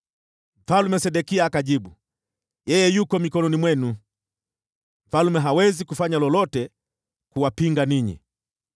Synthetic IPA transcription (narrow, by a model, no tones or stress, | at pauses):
m̩falmɛsɛɗɛkiaːkaʄiɓu | jɛjɛjukɔmikɔnɔnimwɛnu | m̩falmɛɦawɛzikufaɲalɔlɔtɛ | kuwapiŋɡaniɲḭ